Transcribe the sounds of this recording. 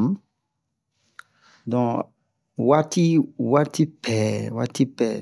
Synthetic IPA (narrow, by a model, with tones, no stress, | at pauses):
dɔ̃˨ | wa˦ti˦wa˦ti˦pɛ˨wa˦ti˦pɛ˨